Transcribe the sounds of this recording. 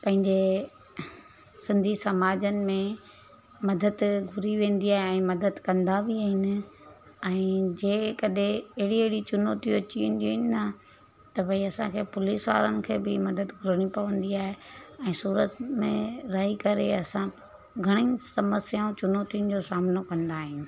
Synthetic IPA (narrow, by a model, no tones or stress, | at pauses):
pɐ̃ɦɪ̃ɲd͡ʑe | sɪ̃nd̪ʱisɐmaːd͡ʑənɪ̆mẽ | mɐd̪əd̪ɡʱʊɾiʋẽːnd̪iaːɦeɛ̃ːmɐd̪əd̪kɐ̃nd̪abiaːɦɪnɪ̆ | ɛ̃ːd͡ʑeːkɐɗẽɐɦɪɽiɐɦɪɽit͡ɕʊnoːt̪iʋɐt͡ɕiʋẽːn̆d̪ioɦɪnɪnɐ | t̪ɐbɐiɐsãkʰeːpʊliːsʋa̰ːɾənɪ̆kʰeːbɪmɐd̪əd̪ɡʱʊɾəɽ̃ipɐʋə̃nd̪iaːɦeɛ̃ːsuːɾət̪mẽɾɐɦikɐɾeɐsã | ɡʱɐɽ̃ĩːsɐməsjaːũt͡ɕʊnoːt̪iʊ̃nɪ̆d͡ʑoːsaːmnokɐ̃nd̪aːɦɪnɪ̆